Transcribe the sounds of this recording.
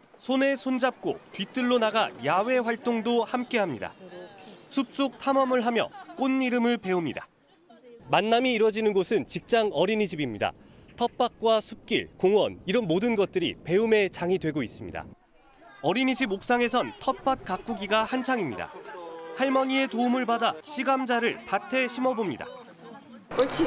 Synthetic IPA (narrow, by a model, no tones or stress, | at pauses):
sʰone̞sʰond͡ʑap̚k͈o̰tɥit͈ɯɭːonaɡajawe̞ɸwaɭt͈oŋdohamk͈e̞ɦamɲida̰ | sʰup̚s͈ok̚tʰamʌmɯɭɦamjʌ̰k͈onːiɾɯmɯɭpe̞umɲida̰ | manːamiːɾwʌd͡ʑinɯnɡosʰɯnt͡ɕik̚t͡ɕ͈aŋʌɾiɲid͡ʑibimɲida̰ | tʰʌp̚p͈ak̚k͈wasʰup̚k͈ḭɭkoŋwʌ̰niɾʌnmodɯnɡʌt̚t͈ɯɾḭpe̞ume̞t͡ɕaŋidwe̞ɡois͈ɯmɲḭda̰ | ʌɾiɲid͡ʑʰibok̚s͈aŋe̞sʰʌntʰʌp̚p͈ak̚k͈ak͈̚uɡiɡahant͡ɕʰaŋimɲḭda̰haɭmʌɲie̞toumɯɭbadaɕʰiɡamd͡ʑaɾɯɭpatʰe̞ɕʰimʌbomɲida̰